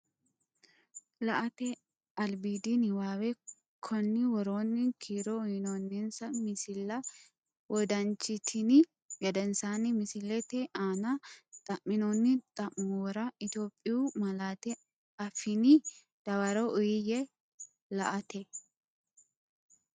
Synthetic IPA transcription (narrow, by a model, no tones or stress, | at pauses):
lɐʔɐt̪ɛ | ɐlbiːd̪ɪnɪwaːwɛ | kʰɔnːɪwɔɾoːnːɪkʰiːɾɔʊjɪnonːɪnsɐmɪsɪlːɐ | wɔd̪ɐnt͡ʃːɪt̪ʰɪnɪ | jɐd̪ɛnsaːnɪmɪsɪlːɛt̪ɛʔaːnɐt̪ʼɐmːɪnoːnːɪt̪ʼɐmmɔwɔɾɐɪt̪joːpʼːɪjumɐlaːt̪ɛ | ɐfɪnɪ | d̪̥ɐwɐɾɔʔʊjɪjɛ | lɐ̰ʔɐt̪ɛ